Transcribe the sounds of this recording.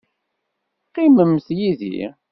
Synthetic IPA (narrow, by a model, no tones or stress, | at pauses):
qːiməmθjiðḭ